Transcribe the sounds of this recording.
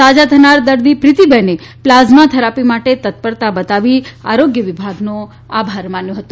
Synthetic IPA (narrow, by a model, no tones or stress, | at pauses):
ad͡ʒat̪ʰənaɾd̪əɾd̪ipɾɪt̪ibəneplazmat̪ʰəɾapimaʈet̪ət̪̚pəɾt̪abət̪aʋia̰ɾoɡjəʋɪbʱaɡno | abʱaɾmanjõɦət̪ũ